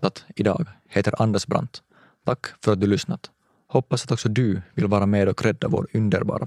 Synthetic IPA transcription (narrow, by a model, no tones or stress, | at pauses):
t̪ɪd̪ɑ̰ːɡheːt̪əɾʔɑnd̪əsbɾa̰nt̪ʰː | akːfœɾat̪̚d̪ʉlʏsnat̪ | hɔpːasɑt̪ɔksɔd̪ʉvɪlʋɑːɾameːd̪ɔkʰɾɛd̪ːavo̰ːɾʉnd̪əɾbɑ̰ːɾʔa